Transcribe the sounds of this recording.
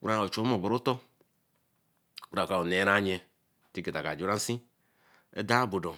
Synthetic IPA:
ṵ˦ɾa˦˨o˨t͡ʃo˨˦mo˨bo˨ɾo˦tɔ˦ | u˦ɾa˨ka˨o˨ne˨˦ɾa˦ɲe˨ | ti˦ke˨ta˨ka˨d͡ʒɾa˦n̩˦sĩ˦ | ɛ̰˦da˦bo˨do˨

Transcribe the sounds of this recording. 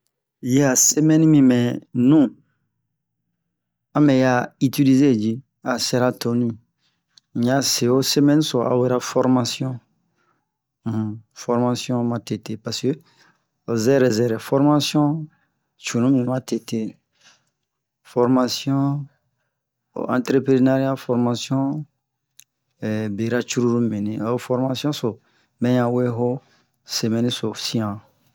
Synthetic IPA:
ja˨se˦mɛ̃˦n˦mĩ˨mɛ̃˨nũ˦˨ | ã˦mɛ̃˨ja˨i˦ti˦li˦ze˦˨d͡ʒi˦ | a˨sɛ˦ɾa˦to˨nĩ˦˨ | ɲa˨˦se˨o˦se˦mɛ̃˦n˦sɔ˨a̰˨wɛ˦ɾa˦fɔ˦ɾma˦sjɔ̃˦˨ | fɔ˦ɾma˨sjɔ̃˦mã˨te˨te˨pa˨skø˦˨ | zɛ˦ɾɛ˨zɛ˨ɾɛ˨fɔ˦ɾma˦sjɔ̃˦ | t͡ʃu˨nũ˦mĩ˨mã˦te˨te˦ | fɔ˨ɾma˨sjɔ̃˦˨ | ã˨tɾe˦pɾi˦na˦ɾi˦a˦fɔ˦ɾma˨sjɔ̃˦˨ | be˨ɾa˦t͡ʃu˦ɾu˦ɾu˦mĩ˨nĩ˨a˨˦fɔ˦ɾma˦sjɔ̃˦so˨ | mɛ̃˦jã˨we˦ɦo˦ | se˨mɛ̃˨nĩ˦so˨sĩ˦ã˨

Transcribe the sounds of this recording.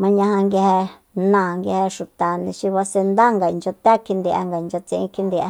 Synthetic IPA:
mã˧ɲã˧hã˧ŋɡe˧he˧ | nã˨ŋɡe˧he˧ʃu˨t̪a˨nĩ˧ʃi˧βa˧se˧nd̪a˦ŋɡa˨i˨nd͡ʒo˧t̪e˦kʰi˧nd̪i˧a̰˧ŋɡa˨i˨nd͡ʒo˧t͡sĩ˧ĩ˧kʰi˧nd̪i˧a˧

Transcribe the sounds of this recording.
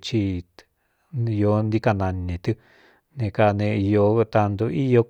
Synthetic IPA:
t͡ʃi˧ | jo˧˦nd̪i˦ka˧nã˧nːĩ˨t̪ɨ˦ | nẽ˧ka˧˨˧nẽ˧jo˧t̪a˧nd̪o˧ʔi˦jo˧˦

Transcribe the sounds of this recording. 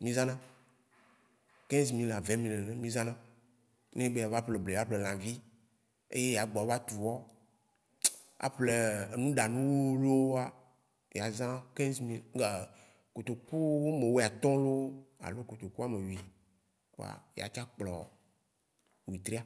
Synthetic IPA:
mĩ˦zã˦nã˦ | kẽ˦n˦s̬mĩ˦la˨vẽ˨˦mĩ˦le˨nẽ˨mĩ˦zã˦nã˦ | nẽ˦be˦ja˨va˦ple˨ble˨a˦ɸle˨l̃ã˨vi˦ | ḛ˦je˦ja˨ɡ͡bɔ˨˦va˦t̪u˨wɔ˦ | a̰˨ɸle˨e˨nũ˦ɖa˨nũ˦wo˦lo˦a˦ | ja˨zã˦kẽ˦n˦smĩ˦lɡ | ko˨t̪o˨ku˦wo˦me˨wo˦˨a˨t̪ɔ̃˦lo˦o˦a̰˨lo˦ko˨t̪o˨ku˦a˨me˨wi˨ | ko̰˦a̰˨ja̰˨t͡ʃa˦k͡plɔ̰˨ | wi˨t̪ɾi˦a˦

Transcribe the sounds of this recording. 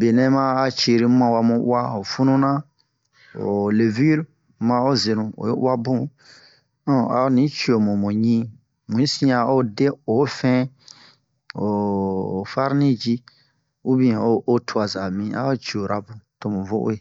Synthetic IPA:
be˨nɛ̃˦mãː˦t͡ʃe˨ɾi˦mã˨wa˧mũ˧ʔṵ˦a˦o˨fu˦nũ˦nã˦ | o̰˨le˨vi˦ɾ | mã˧o˦ze˨nũ˨o̰˨jo˦ʔṵ˦a˦bũ˦ | a̰˨o˦nĩ˨˦t͡ʃi˨o˨mũ˨mũ˨ɲĩ˦ | mũ˨ĩ˦sĩ˦a˨o˦de˦o˨˦fɛ̃˦ | o˨ | fa˦ɾnĩ˦d͡ʒi˦ | u˦bĩ˦˨o˦ʔo˦tʰu˦a˨za˨mĩ˨a̰˦o˦t͡ʃi˨o˨ɾa˨bũ˨to˦mũ˨vo˦ʔo̰˦e˨

